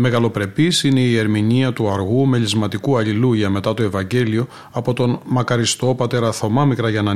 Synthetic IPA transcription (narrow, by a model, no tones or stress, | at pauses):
me̞ɣɐlo̞pɾe̞pisine̞ie̞ɾminiɐt̪uɐɾɣume̞ʎizmɐt̪ikuɐʎiluʝɐme̞t̪ɐt̪o̞e̞vɐɲɟe̞lio̞ | ɐpo̞t̪o̞nmɐkɐɾist̪o̞pɐt̪e̞ɾɐθo̞mɐmikɾɐʝɐnɐ